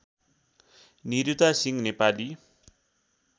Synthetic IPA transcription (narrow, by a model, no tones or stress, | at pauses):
niɾut̪asiŋnepali